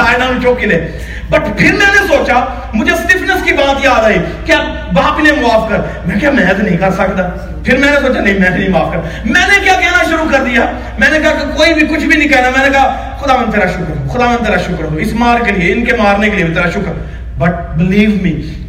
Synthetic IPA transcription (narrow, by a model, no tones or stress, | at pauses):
aːenaːnũːt͡ʃoːkineː | bəʈpʰɪɾmɛ̃ːnẽsoːt͡ʃaː | mʊd͡ʒeːsʈɪpʰnəskiːbaːt̪jaːd̪aiːkaː | baːpineːmʊaːfʰkəɾ | mɛ̃ːkaːmɛ̃ːt̪nəĩːkəɾsəkd̪aː | pʰɪɾmɛ̃ːneːsoːt͡ʃaːnə̃ĩːmɛ̃ːt̪nĩːmaːpkəɾ | mɛ̃ːnẽːkjaːkɛːnaːʃʊɾuːkəɾd̪ijaː | mɛ̃ːneːkɐɦaːkekoːiːbiːkʊt͡ʃʰbiːnĩːkɛːnaːmɛ̃ːnẽːkɐaː | xʊd̪aːʋə̃nd̪ʰeːɾaːʃʊkɾxʊd̪aːʋə̃nd̪ʰeːɾaːʃʊkɾoːɪsmaːɾkelɪeːɪnkeːmaːɾneːklieːʋɪt̪əɾaːʃʊkɾ | bəʈ̚ | bɪliːʋmiː